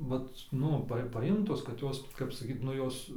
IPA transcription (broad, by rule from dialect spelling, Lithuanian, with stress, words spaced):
ˈʋɐt ˈnʊ pɐ pɐˈjɪmtoːs kɐt ˈjoːs kɐp sɐˈkʲiːt ˈnʊ ˈjoːs